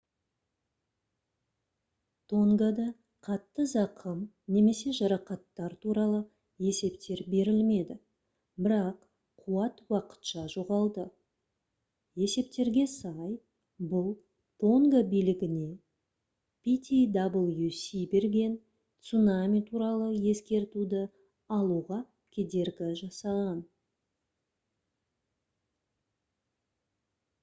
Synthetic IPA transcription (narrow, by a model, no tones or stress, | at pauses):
t̪ʰo̞ŋɡad̪ɑ | qʰɑt̪ːəzɑqʰəm | ne̞me̞se̞ʒɑɾɑqɑt̪ːɑɾt̪ʰuɾɑlˠə | e̞se̞pt̪e̞ɾbe̞ɾɪlme̞d̪ɪ | bɪɾɑq | qʰːuwɑt̪wɑqə̥t̪ʃɑʒo̞ʁɑlˠd̪ə | e̞se̞p̚t̪e̞ɾɡʲe̞sɑj | bʊlˠ | t̪ʰo̞ŋɡəbijlɪɡʲɪne̞ | pʲit̪ʲid̪ɑbəlˠjusibe̞ɾɡʲe̞n | t̪sunamʲijt̪ʰuɾɑlˠəje̞skʲe̞ɾt̪ud̪ɪ | ɑlˠuʁɑ | kʲʰed̪e̞ɾɡʲɪʒɑsɑʁɑn